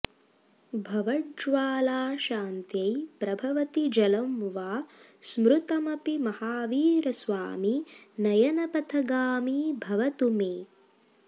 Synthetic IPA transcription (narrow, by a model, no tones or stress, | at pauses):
bʱɐʋɐɖd͡ʒʋaːlaːʃaːnt̪jɐjpɾɐbʱɐʋɐt̪id͡ʒɐlɐmʋaː | smɾut̪ɐmɐpimɐhaːʋiːɾɐsʋa̰ːminɐjɐnɐpɐt̪ʰɐɡaːmiːbʱɐʋɐt̪umeː